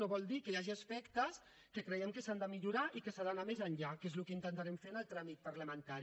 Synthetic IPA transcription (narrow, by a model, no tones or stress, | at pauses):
oβɔlˠd̪ikəjaʒiəspɛkt̪əs | kəkɾəɛmkəsand̪əmiʎuɾaʔikəsaðənamezənʎakezlukəint̪ənt̪aɾɛmfeɾnəlˠt̪ɾamit̪̚pəɾləmənt̪aɾi